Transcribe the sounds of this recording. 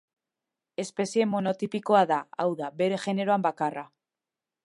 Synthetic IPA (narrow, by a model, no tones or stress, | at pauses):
e̞spe̞sie̞mo̞no̞t̪ipiko̞aðaa̰wðaβe̞ɾe̞xe̞ne̞ɾoambakara